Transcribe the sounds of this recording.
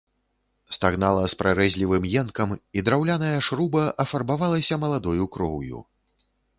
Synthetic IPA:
st̪aɣnalˠɐspɾaɾɛzʲlʲivɨmjɛnkɐmid̪ɾawlʲanɐjɐʂɾubɐʔɐfarbavalˠɐsʲɐmɐlˠad̪ɔjukɾɔwjṵ

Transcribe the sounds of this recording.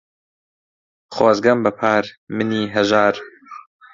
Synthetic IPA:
χaːzɡɐmbɐpʰaːɾmɨniːɦɐʒaːɾ

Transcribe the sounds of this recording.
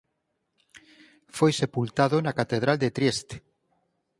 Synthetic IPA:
fojsepult̪aðonakat̪eðɾald̪et̪ɾiest̪e̥

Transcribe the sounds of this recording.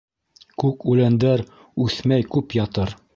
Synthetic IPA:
kʉkʉlænd̪æɾ | ʉθmæjkʉpjɒt̪ɤɾ

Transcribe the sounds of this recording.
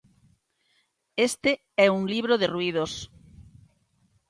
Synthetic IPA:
est̪e | ɛuŋliβ̞ɾoðerwið̞os

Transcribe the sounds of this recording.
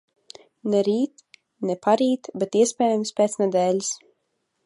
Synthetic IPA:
nɛɾiːt̪ | nɛpaɾiːt̪bɛt̪iɛspʲɛːjamspʲɛːt̪snɛd̪ɛːlʲis

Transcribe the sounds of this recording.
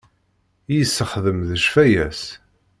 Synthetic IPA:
jəsːəχðəmðəʃfæjæs

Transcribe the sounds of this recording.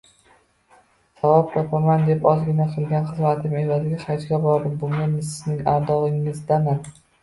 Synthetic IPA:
savɒp̚t̪ʰɒpʰamand̪e̞pɒzɡʲɪnaqʰɨlˠɡʲanχɨzmat̪ʰɪme̞vazɪɡʲaχajt͡ʃɡʲabɒɾd̪ɪmbʊŋɡʲamɪsɪznɪŋaɾd̪ɒʁɪŋːɪzd̪amɪn

